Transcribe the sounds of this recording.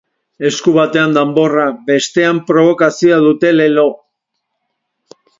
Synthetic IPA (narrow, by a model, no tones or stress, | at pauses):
e̞skuβat̪e̞and̪ambo̞rabe̞st̪e̞ampɾo̞β̞o̞kasiaðut̪e̞le̞lo̞